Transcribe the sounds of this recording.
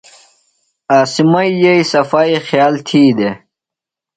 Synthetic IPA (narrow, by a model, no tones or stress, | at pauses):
aːsimɐijeisɐfaːixjaːlt̪ʰiːd̪e